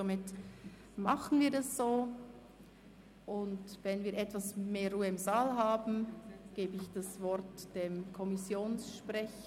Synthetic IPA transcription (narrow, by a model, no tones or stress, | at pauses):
omɪt | maχən̩viːɐdasz̥oː | ʔʊndvɛnviːɐɾʔɛtvasmeːɾruːəɪmzaːlɦaːbn̩ɡ̥eːbəɪçd̥asvɔɾtd̥emkʰɔmɪsjoːnsʃpʁɛç